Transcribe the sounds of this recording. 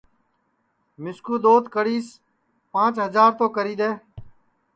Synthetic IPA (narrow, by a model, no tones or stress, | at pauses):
mɪskuːd̪oːt̪kəɽiːs | pãːt͡ʃɦəzaːɾt̪oːkəɾiːd̪eː